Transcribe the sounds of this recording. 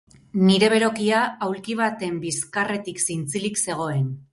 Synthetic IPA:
niɾe̞β̞e̞ɾo̞kiaawlkiβ̞at̪e̞mbiskare̞t̪iksint͡silikse̞ɣ̞o̞e̞n

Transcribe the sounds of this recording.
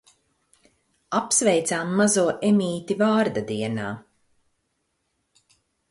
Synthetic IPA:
apsvɛjt̪saːmːazuɔʔemʲiːt̪ivaːɾd̪ad̪iɛnaː

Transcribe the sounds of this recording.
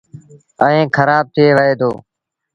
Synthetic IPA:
əẽːkʰəɾaːb̚t̪ʰɪeːʋəeːd̪oː

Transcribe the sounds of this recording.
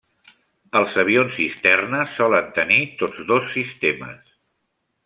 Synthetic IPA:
əlˠzəβ̞ionzist̪ɛrnəsɔlənt̪ənit̪od͡zðosːist̪emə̰s

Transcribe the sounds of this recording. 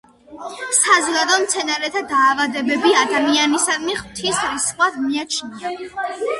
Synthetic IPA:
sazɡad̪ɔmt̪sʰɛnaɾɛt̪ʰad̪aːvad̪ɛbɛbiad̪amianisad̪miχw̥t̪ʰisɾisχwad̪miat͡ʃʰna

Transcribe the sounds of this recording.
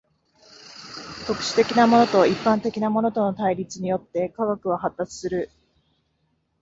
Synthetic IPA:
t̪o̞kɯ̟̥ɕi̥t̪e̞kʲinamo̞no̞t̪o̞ipːãnt̪e̞kʲinamo̞no̞t̪o̞no̞t̪aiɾʲit͡sɨɲ̟ijo̞t̪ːe̞kaɡakɯ̟βaɦat̪ːat͡sɨ̥sɨɾɯ̟

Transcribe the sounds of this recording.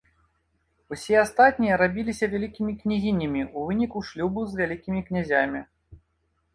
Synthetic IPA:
usʲɛast̪at̪̚ʲnʲijɐɾabʲilʲisʲɐvʲalʲikʲimʲiknʲizʲinʲːɐmʲiuvɨnʲikuʂlʲubɨzvʲalʲikʲimʲiknʲazʲamʲi

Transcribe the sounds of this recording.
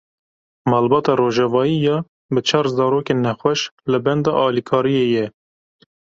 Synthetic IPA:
mɑːlbɑːt̪ɑroːʒɛvɑːijɑː | bɨt͡ʃʰɑːɾzɑːɾoːkenɛxwɛʃlɨbɛnd̪ɑːʔɑːlikʰɑːɾijeːjɛ

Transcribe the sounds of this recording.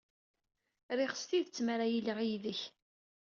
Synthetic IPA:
ɾɪχə̥st̪iðət͡sːmæɾæjiləʁijðəç

